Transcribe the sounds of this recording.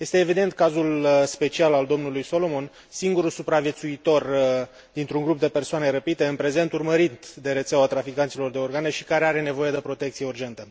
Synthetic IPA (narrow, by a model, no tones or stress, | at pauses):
je̞st̪e̞ːvid̪e̞nt̪̚kazulspe̞t͡ʃialald̪o̞mnulujso̞lo̞mo̞n | siŋɡuɾusupɾavje̞t̪suit̪o̞r | d̪int̪ɾuŋɡɾup̚d̪e̞pe̞rsoane̞ɾəpit̪e̞ɨnpɾe̞ze̞nt̪urməɾit̪d̪e̞ɾet̪seoat̪ɾafikant̪silo̞rd̪e̞o̞rɡaneʃi̥kaɾeaɾe̞ne̞vo̞je̞d̪e̞pɾo̞t̪e̞k̚t̪sije̞urd͡ʒe̞nt̪ə